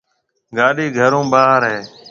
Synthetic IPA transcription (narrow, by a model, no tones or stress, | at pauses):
ɡaːɗiːɡʱəɾõːbaːɦəɾɦeː